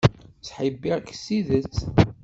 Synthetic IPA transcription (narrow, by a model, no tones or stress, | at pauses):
sħibːiʁksːiðət͡s